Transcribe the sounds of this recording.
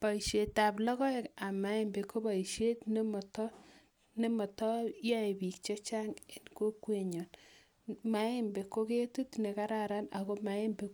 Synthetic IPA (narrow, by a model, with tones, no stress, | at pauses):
pa˨iʃe˨ta˨plɔ˦kɔ˦eka˨mːa˦e˦mbe˨kʰo˦ba˨iʃe˦tne˦mɔ˨tɔ˦ | ne˦mɔ˨tɔ˦ja˦e˨bi˨kt͡ʃɔ˦t͡ʃaŋe˨nko˦kweɲɔ˨n | ma˨˦e˦mbe˨ko˦ke˦tu˦tne˨ka˦ɾaɾa˦na̰˨ko˦ma˨e˦mbe˨